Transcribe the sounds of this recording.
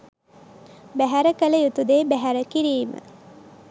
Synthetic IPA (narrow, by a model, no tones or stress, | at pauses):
bæɦæɾəkələjut̪ud̪eːbæɦæɾəkiɾiːmə̰